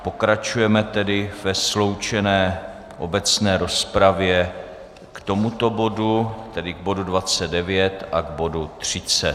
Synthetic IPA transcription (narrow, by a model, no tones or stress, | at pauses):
po̞kɾat͡ʃujɛmɛt̪ɛdɪvɛslo̞wt͡ʃɛnɛː | ʔo̞bɛt͡snɛːɾo̞spɾavjɛ | kt̪o̞mut̪o̞bo̞dut̪ɛdɪɡ̚bo̞dudvat͡sɛddɛvjɛt̪ʔaɡbo̞dut̪r̝̥ɪt͡sɛ